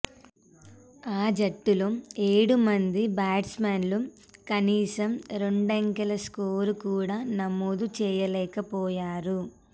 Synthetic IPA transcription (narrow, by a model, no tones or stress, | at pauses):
aːd͡ʒɐʈːuloːeːɽumɐnd̪ibaːɖsmaːnlu | kɐniːsɐmɾeɳɖeŋkɐlɐskoːɾukuːɽaːnɐmoːd̪ut͡ʃɛːjɐlɛːkɐpɔːjaːɾu